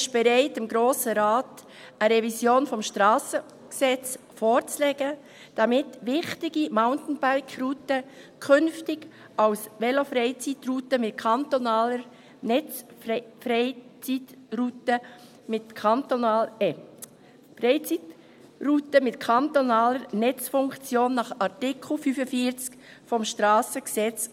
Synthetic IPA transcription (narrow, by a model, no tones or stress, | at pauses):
ɪʃb̥ɛɾaɪtɪmɡɾoːsəɾaːt | əɾɛvisjoːnfɔmʃtɾɑːsə | ksɛt͡s | foːɾt͡slɛɡə | d̥ɑmɪtʋɪχtɪɡimaʊntn̩baɾkrutəkʰʏnftɪɡ̥ | ɑwsʋɛlofɾɛɪt͡sitrutəmɪt̚kʰɑntonɑːləɾ | nɛt͡s | fɾɛɪt͡sitrutə | mɪtkʰɑnt̪onɑl | frɛɪt͡sit | rutəmɪtkʰɑnt̪onɑːləɾnɛt͡sfʊŋkt͡sjoːnːɑχɑɾtɪkʰl̩fyfəfiːɾt͡sk | fɔmʃtɾɑːsəksɛt͡s